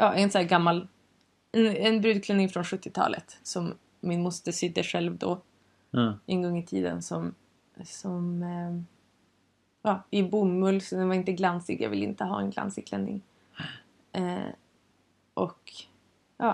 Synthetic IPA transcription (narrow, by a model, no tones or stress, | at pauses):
ʔɑːʔɛnsɔæːɾɡamːal | ɛnɛnbɾʉd̪kʰlɛnːɪŋfɾɔnɧɵt̪ːɪt̪ʰɑ̰ːlə̰t̪sɔmː | ɪnmʊst̪əʂɪd̪ːəʂɛlvd̪ɔ̰ | ʔɛnɡɔŋːɪt̪ʰiːd̪ə̰nsɔm | sɔm | ɑːɪbʊmːɵlsɔd̪ɛnvaɾɪnt̪əɡlansɪɡjɑ̰ɡvɪlɪ̰nt̪əɦɑ̰ːɛnɡla̰nsɪkʰlɛnːɪ̰ŋ | ʔɔk | jɑː